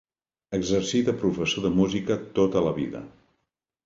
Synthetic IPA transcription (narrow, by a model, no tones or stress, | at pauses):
əɡzəɾsit̪əpɾufəsoðəmuzikət̪ot̪ələβḭðə̰